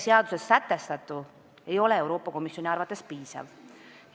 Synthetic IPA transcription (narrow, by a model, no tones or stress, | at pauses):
seɑd̪̥use̞sːæt̪ːˑe̞st̪ɑt̪ːˑu | e̞jo̞le̞e̞wɾo̞ːpːˑɑko̞misːo̞nʲiɑrvɑt̪ːˑe̞spiːsɑ̰v